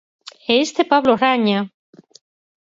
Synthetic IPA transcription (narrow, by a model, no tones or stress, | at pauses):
eest̪epaβloraɲa